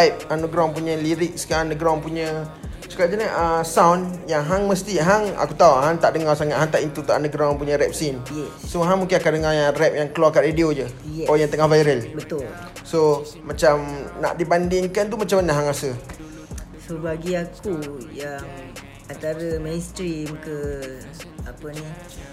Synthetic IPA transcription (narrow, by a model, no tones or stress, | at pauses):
ajp̚anuɡɾaŋpuɲə̃liɾɪk̚skaanəɡɾaaŋpuɲə̃ | sə̥kad͡ʒənəʔəsawnjaŋɦaŋməst̪iɦaŋa̰kut̪auɦaŋt̪aʔdəŋarsaŋat̪̚ɦaŋt̪aʔint̪ut̪uanəɡɾaãŋpuɲəɾɛp̚sinjɛsoɦaŋmuŋkɪnakaʔdəŋajarɛp̚jaŋkəlwarkaʔ̪rediod͡ʒəjɛɔjaŋt̪əŋahvajɾəlbət̪ʊl | so | mat͡ʃamna̰ʔdibandɪŋkant̪umat͡ʃamnaʔɦaŋasə | səbaɡiakujaŋ | ant̪aɾəmɛnst̪ɾimkə | apəni